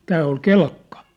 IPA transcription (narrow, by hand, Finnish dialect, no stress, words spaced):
tæː ol kelkːɑ̥